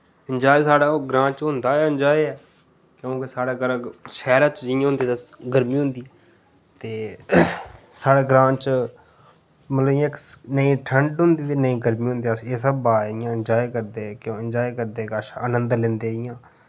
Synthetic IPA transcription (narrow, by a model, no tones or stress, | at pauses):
ɪnd͡ʒaːeːsaːɽaːɡɾãːt͡ʃɦʊ̃nd̪aːɛːɪnd͡ʒaːeɛː | kjõːkesaːɽaːɡəɾʃɛːɾãːt͡ʃd͡ʒɪãɦʊ̃nd̪iːt̪əɡəɾmiːɦʊ̃nd̪iː | t̪eː | saːɽeːɡɾãːt͡ʃ | mət̪ləbjãːknəĩːʈʰəɳɖɦʊ̃nd̪iːt̪eːnəĩːɡəɾmiːɦʊ̃nd̪eseːsəbaːɪjãːɪnd͡ʒaːekəɾd̪eːɛkjõːənd͡ʒaːeːkəɾd̪eːkaːʃaənə̃nd̪lẽːnd̪eːɪjãː